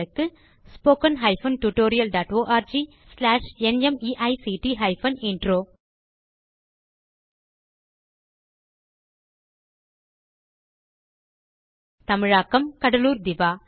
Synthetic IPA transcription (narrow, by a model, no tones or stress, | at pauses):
ɯkːɯ | spoːkɐnɦɐɪfɐnʈuʈoːɾɪjɐlɖaːʈoːʔaːɾd͡ʒi | slaːʂɛnɛmiːʔɐɪsiːʈiɦɐɪfɐnɪɳɖɾoː | t̪ɐmɪɻaːkːɐmkɐɽɐluːɾd̪ɪʋaː